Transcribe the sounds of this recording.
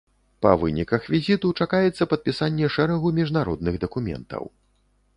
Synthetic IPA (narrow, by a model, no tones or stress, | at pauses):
pɐ̰vɨ̰nʲikɐxvʲizʲit̪ut͡ʂakajɛt̪sːɐpɐt̪̚pʲisanʲːɛʂɛɾɐɣumʲiʐnaɾɔd̪̚nɨɣd̪ɐkumʲɛ̰nt̪ɐ̰w